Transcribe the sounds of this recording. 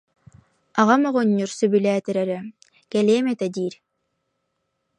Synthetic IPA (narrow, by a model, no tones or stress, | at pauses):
aʁamɔʁɔɲːuɾsybylæːt̪ɛɾɛɾɛ | kɛleːmɛt̪ɛd̪iːɾ